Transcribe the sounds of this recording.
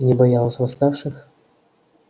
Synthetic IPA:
nʲɪbɐjalˠəsʲvɐst̪afʂɨx

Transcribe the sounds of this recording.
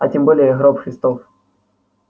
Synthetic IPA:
ɐtʲɪmbolʲɪjəɣɾɔpxɾʲɪst̪of

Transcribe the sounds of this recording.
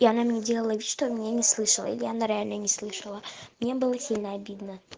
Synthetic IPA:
ianamnʲedʲelˠəlˠəvʲit̪ʂt̪obmʲɪnʲenʲɪslˠɨʂəlˠə̰ḭlʲɪjanəɾɐalʲnənʲɪslˠɨʂəlˠəmnʲebɨlˠəsʲilʲnəɐbʲid̪nə

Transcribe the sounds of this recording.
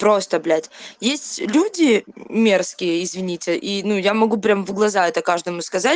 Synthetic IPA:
pɾo̞st̪əblʲætʲjesʲtʲlʲudʲɪmʲe̞rskʲɪjəɪzvʲɪnʲitʲɪʔinujamɐɡupɾʲamvɡlˠɐzaɛt̪əkaʐd̪əmʊskɐzat̚ʲ

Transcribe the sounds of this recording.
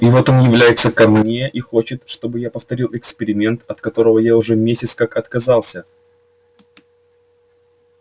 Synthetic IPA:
ivo̞t̪o̞njɪvlʲæjɪt̪səkɐmnʲe̞ʔixo̞t͡ɕɪt̪ʂt̪o̞bɨjapəft̪ɐɾʲilˠɪkspʲɪɾʲɪmʲe̞nt̪ɐt̪kɐt̪o̞ɾəvəjaʊʐɛmʲesʲɪt̪skakɐt̪kɐzɑlˠsʲə

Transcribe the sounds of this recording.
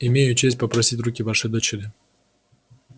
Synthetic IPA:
ɪmʲejʊt͡ɕesʲt̚ʲpɐpɾɐsʲitʲrukʲɪvaʂɨjd̪ot͡ɕɪɾʲɪ

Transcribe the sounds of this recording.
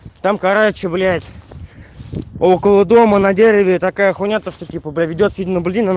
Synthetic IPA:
t̪amkaɾat͡ɕɪblʲɪæjɪt̪ʲ | okəlˠəd̪o̞mənɐdʲeɾʲɪvʲɪt̪akajəxʊnʲat̪əʂt̪otʲipəblʲavʲɪdʲot̪sʲidʲɪnəbɨlʲzʲinan

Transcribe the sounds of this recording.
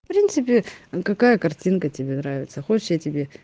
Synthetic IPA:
fpɾʲint̪sɨpʲɪkɐkajəkɐrtʲinkətʲɪbʲe̞nɾavʲɪ̰t̪səxot͡ɕɪ̥jatʲɪbʲe̞

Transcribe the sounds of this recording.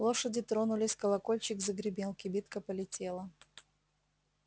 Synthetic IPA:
lˠo̞ʂədʲɪt̪ɾo̞nʊlʲɪsʲkəlˠɐko̞lʲt͡ɕɪkzəɡɾʲɪbʲelˠkʲɪbʲit̪kəpəlʲɪtʲe̞lˠə

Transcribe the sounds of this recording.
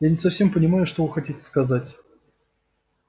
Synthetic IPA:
janʲɪsɐfsʲe̞mpənʲɪmajʊʂt̪o̞vɨxɐtʲitʲɪ̥skɐzatʲ

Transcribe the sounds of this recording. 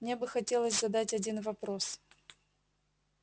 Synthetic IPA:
mnʲebɨxɐtʲe̞lˠəsʲzɐd̪atʲɐdʲinvɐpɾo̞s

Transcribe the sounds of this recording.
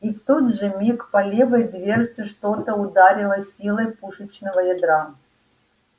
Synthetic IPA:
ift̪od̪ʐɨmʲikpɐlʲevəjd̪vʲe̞rʐdʲɪʂt̪ot̪əʊd̪aɾʲɪlˠəsʲilˠəjpuʂɨt͡ɕnəvəjɐd̪ɾa

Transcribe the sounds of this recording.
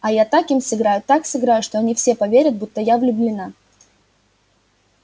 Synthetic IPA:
ɐjat̪akimsɨɡɾajʊt̪aksɨɡɾajʊʂt̪oɐnʲifsʲepɐvʲeɾʲət̪̚but̪ːəjavlʲʊblʲɪna

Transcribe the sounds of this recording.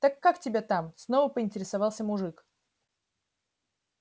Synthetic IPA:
t̪akːaktʲɪbʲat̪amsnovəpəɪnʲtʲɪɾʲɪsavɑlˠsʲəmʊʐɨk

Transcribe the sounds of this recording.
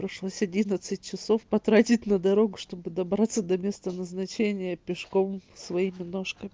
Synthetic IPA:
pɾʲɪʂlˠosʲɐdʲinət̪sɨt̚ʲt͡ɕɪso̞fpɐt̪ɾatʲɪtʲnəd̪ɐɾo̞ɡʊʂt̪o̞bɨd̪ɐbɾat̪sːəd̪ɐmʲe̞st̪ənəznɐt͡ɕenʲɪjəpʲɪʂko̞msvɐimʲɪno̞ʂkəmʲɪ

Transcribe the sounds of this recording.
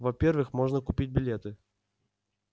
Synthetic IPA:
vɐpʲervɨxmoʐnəkʊpʲit̚ʲbʲɪlʲet̪ɨ

